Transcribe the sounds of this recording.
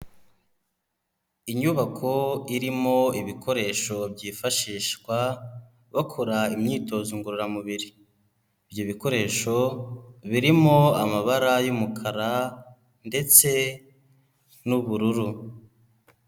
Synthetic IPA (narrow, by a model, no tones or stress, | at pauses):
iɲuβakʰo̞iɾimo̞iβikʰo̞ɾe̞ʃo̞bɟiːfaʃiːʃɡwa | βakʰoɾaimɲiːto̞ːzuŋɡuɾuɾamuβiɾi | bjoβiko̞ɾe̞ːʃo̞βiɾimo̞amaβaɾajumukʰaɾa | nde̞t͡se̞ | nuβuɾuɾu